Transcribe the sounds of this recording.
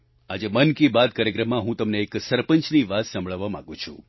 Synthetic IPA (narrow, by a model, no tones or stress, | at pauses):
ad͡ʒemənkibad̪̚kaɾjəkɾəmːãɦũt̪əmneːksəɾpəɲt͡ʃniʋat̪sə̃mbɭəʋːamã̰ɡũt͡ʃʰṵ̃